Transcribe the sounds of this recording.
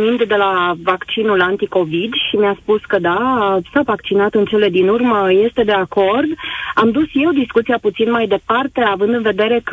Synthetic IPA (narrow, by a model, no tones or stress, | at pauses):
mind̪ːe̞lavakt͡ʃinulant̪iko̞vid̪ʃimiaspuskəd̪asavakt͡ʃinat̪ɨnt͡ʃe̞le̞d̪inurməje̞st̪e̞d̪e̞ako̞rd̪amd̪usje̞wd̪iskut̪sijaput̪sinmajd̪e̞part̪e̞avɨnd̪ɨnve̞d̪e̞ɾe̞k